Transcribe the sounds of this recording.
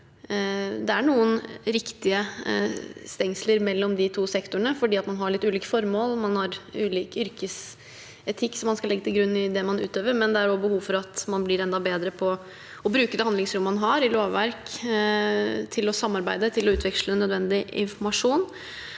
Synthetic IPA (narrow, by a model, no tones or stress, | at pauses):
d̪ɛæɳuːənɾɪkt̪ɪə | st̪ɛŋsləɾmɛlːɔmd̪ɪt̪ʰuːsɛkt̪ʊəɳəfɔɖiːɑt̪mɑnɦɑɭɪt̪ːʉːliːkəfɔɾmoːlmɑnhɑɾʉːliːkʏɾkəs | ɛt̪ʰɪkːsɔmːɑnskɑlɛɡːət̪ʰɪlɡɾʉnːɪd̪ɛmɑnʉ̰ːt̪øːʋəɾmɛnd̪ɛæɾɔbəhuːfɔɾɑt̪mɑnblɪɾɛnd̪ɑbeːd̪ɾəpʰɔ | ɔbɾʉːkəd̪ɛhɑnlɪŋsɾʊmːɑnɦɑɾɪloːʋːæɾk | t̪ʰɪlɔsɑmːɑɾbæɪd̪ət̪ʰɪlɔʉːt̪ʰʋɛkʂlənœd̪ʋɛnd̪ɪɪ̰nfɔɾmɑʂuːn